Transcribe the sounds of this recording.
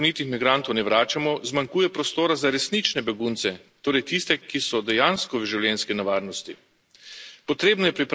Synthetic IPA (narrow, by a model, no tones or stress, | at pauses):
niːt̪ixmiɡɾant̪ɔwnɛʋɾaːt͡ʃamɔzmaŋkuːjɛpɾɔst̪oːɾazaɾɛsnit͡ʃnɛbɛɡuːnt̪sɛt̪oːɾɛjt̪ist̪ɛkisɔd̪ɛjanskɔʋʒɛwljɛnskinɛʋaːɾnɔst̪i | pɔt̪ɾeːbnɔjɛpɾip